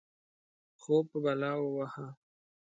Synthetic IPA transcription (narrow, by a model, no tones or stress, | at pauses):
xopəbalɑwəwaha